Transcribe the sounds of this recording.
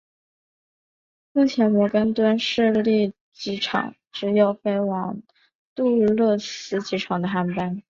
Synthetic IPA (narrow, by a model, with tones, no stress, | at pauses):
mu˥˩t͡ɕʰjɛ˧˥nmɔ˧˥kə˥nt̪wa˥nʂɻ̩˥˧li˥˩ | t͡ɕi˧˥ʈ͡ʂʰɑ̰˨˩˦ŋ | ʈ͡ʂɻ̩˧˥jo˨˩ʊfe˥ɪwɑ˨˧˩ŋ | t̪u˥˧˥lɤ˥˩sɹ̩˧˥t͡ɕi˧˥ʈ͡ʂʰɑ˨˩ŋd̪ə˦xa˧˥npa˥n